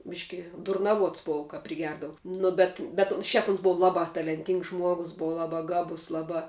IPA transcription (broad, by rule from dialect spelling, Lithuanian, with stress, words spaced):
ˈbʲɪʃʲkʲɪ dʊrnɐˈʋuɔts ˈboːʋɐ kɐp pʲrʲɪˈɡʲɛrdɐʋʊ ˈnʊ bʲɛt bʲɛt ʊn ˈʃʲɛp ʊns ˈbʊʋɐ ˈlˠɑːbɐ tɐlʲɛnʲˈtʲiːŋks ˈʒmuɔɡʊs ˈbʊʋɐ ˈlˠɑːbɐ ˈɡɑːbʊs ˈlˠɑːbɐ